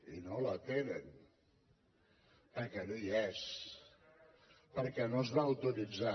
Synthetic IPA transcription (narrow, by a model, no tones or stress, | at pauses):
inolat̪enən | əɾkɛnojɛs | pəɾkɛnozβawt̪uɾid͡za